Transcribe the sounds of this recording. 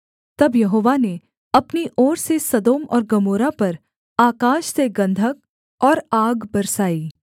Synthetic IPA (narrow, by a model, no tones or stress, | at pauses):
t̪ɐbjɐɦoːʋane | ɐpniʔɔːɾsesɐd̪oːmɔ̰ːɾɡɐmoːɾapɐɾ | aːkaːʃseɡɐ̃nd̪ʱək̚ | ɔːɾaːɡbɐɾsaːiː